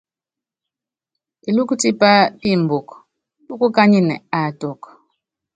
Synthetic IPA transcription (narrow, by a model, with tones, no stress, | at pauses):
i˨lu˦ku˦ti˦pa˦pi˦˨m̩˨bo˨k | lu˦ku˦ka˦ɲi˦nɛ̰˨a˨tɔ˨k